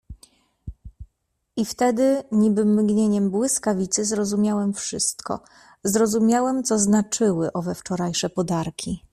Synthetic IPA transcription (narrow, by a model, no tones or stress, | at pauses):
ʔift̪ɛd̪ɘɲibɘmɡɲeɲɛmbwɘskavʲit̪sɘzɾɔzumʲjawɛmfʂɘst̪kɔ̰ | zɾɔzumʲjawɛmt̪sɔznat͡ʂɘwɘʔɔvɛft͡ʂɔɾajʂɛpɔd̪aɾkʲʰi